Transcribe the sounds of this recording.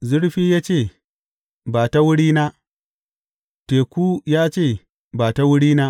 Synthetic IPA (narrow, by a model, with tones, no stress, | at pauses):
zʊ˦ɽɸiː˦jaː˦t͡ʃeː˦˨ | baː˨ta˦wʊ˦ɽiː˦na˦ | teː˨kʷuː˦jaː˦t͡ʃeː˦˨ | baː˨ta˦wʊ˦ɽiː˦naː˦